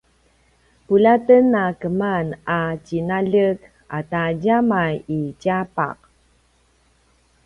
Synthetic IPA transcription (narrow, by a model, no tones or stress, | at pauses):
pulatənːakəmanacinaɮək | a̰taɟamajicapa̰q̚